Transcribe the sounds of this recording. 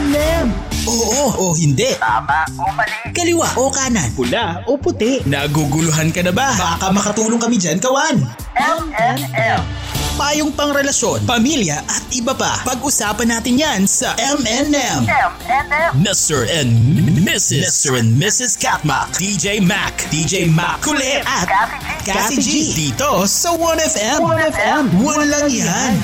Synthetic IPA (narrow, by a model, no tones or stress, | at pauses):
ɛmɛmʔoːʔoʔohɪnd̪ɛʔt̪aːmaoɐlɪkɐlɪwaʔokaːnɐnpʊlaʔopʊt̪ɛʔnɐɡuɡʊlʊɦankɐnɐbabaːkɐmɐkɐt̪uːloŋkɐmid͡ʒankɐwan | mnm | paːjoŋpɐŋɾɛlɐʃjo̞npɐmiljɐʔɐt̪̚ʔɪbɐpa̰pɐɡʔʊsaːpɐnːaːt̪ɪnjansɐʔɛmɛnɛm | mɪst̪ɛɹʔɛnmɪsmɪsɛɛnmɪsɪskat̪̚mɐ̰kd̪id͡ʒejma̰kt̪id͡ʒejma̰kkːʊlɛʔɐt̪ | kasɪd͡ʒid̪iːt̪osɐwɐnɛfɛmɛmwɐnlɐŋjan